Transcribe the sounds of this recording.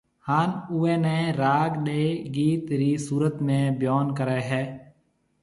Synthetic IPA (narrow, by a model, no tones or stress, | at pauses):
haːnuːẽːnɛ̃ːɾaːɡɗeːɡiːt̪ɾiːsuːɾət̪mẽːbjoːnkəɾeːɦɛː